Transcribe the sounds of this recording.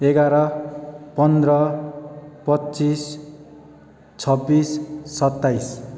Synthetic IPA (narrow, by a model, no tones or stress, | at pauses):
eɡaɾʌpʌnd̪rʌ | pʌtːt͡sis | t͡sʰʌbːisːʌt̪ːajs